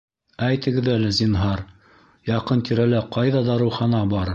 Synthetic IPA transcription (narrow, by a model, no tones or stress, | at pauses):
æjt̪ɘ̆ɡɘ̆ðælɘzinɦɑɾ | jɑqɤnt̪iɾælæqɑjðɑd̪ɑɾɤ̆wχɑnɑbɑɾ